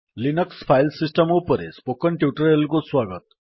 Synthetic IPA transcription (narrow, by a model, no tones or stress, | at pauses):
linʌkspʰajlsisʈʌmopʌɾḛspokːʌnʈjuʈʌɾelkoswaɡʌt̪